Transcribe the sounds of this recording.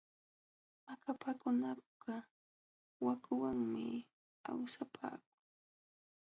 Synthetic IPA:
makʰapakʊnapa | wakʊwaŋmɪ | a̰wsapʰa̰ːk̚ʊŋ

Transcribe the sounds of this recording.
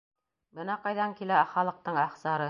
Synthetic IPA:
bɤnɑqɑjðɑŋkilæχɑlˠɤ̆q̚t̪ɤɴɑχsɑɾɤ

